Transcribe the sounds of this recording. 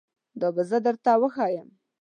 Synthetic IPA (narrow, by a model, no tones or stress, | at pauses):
d̪ɑbazəd̪əɾt̪awəxɑjəm